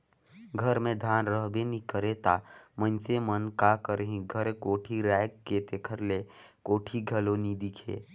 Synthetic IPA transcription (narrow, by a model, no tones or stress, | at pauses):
ɡʱəɾmẽd̪ʱaːnɾəɦbenikəɾet̪amə̃nsemənkakəɾɦĩɡʱəɾkoːʈʰiɾɛːkket̪ekʰəɾle | koːʈʰiɡʱɐloːnid̪ikʰḛː